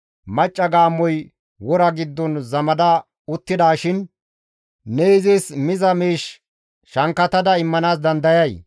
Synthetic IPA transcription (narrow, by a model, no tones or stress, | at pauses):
mɐt͡ʃʼːɐɡaːmːɔj | wɔɾɐɡɪd̪ːɔnzɐmɐd̪ɐ | ʊt̪ːɪd̪aːʃɪn | nɛɪzɛsmɪzɐmiːʃ | ʃɐŋkːɐt̪ɐd̪ɐɪmːɐnaːs̬d̪ɐnd̪ɐjɐj